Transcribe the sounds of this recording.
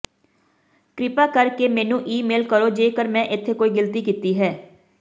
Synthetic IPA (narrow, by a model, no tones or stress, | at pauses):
kɾɪpaːkəɾkeːmɛ̃ːnũːʔiːmeːlkəɾoːd͡ʒeːkəɾmɛ̃ːʔɪt̪ʰːeːkoːiːɡɪlt̪iːkiːt̪iːɦɛː